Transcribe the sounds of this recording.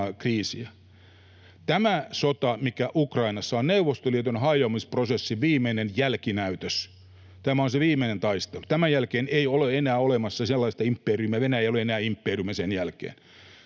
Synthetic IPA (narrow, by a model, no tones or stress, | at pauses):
kriːsiæ | t̪æmæsot̪ɑmikæʔukrɑinɑsːɑonneuʋost̪oliet̪ønhɑijomisprosesːiʋiːmeinenjælkinæyt̪øs | t̪æmæonseʋiːmˑeinent̪ɑist̪elut̪æmæjælkeːneioleenæːolemɑsːɑselːɑist̪ɑimpːeːrymæʋenæeijoleenæːimpːeːrymæsenjælkḛːn